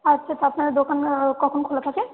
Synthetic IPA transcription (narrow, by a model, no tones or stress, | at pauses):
atːʃʰat̪apnaɹd̪okankɔkʰɔnkʰɔlat̪ʰakɛ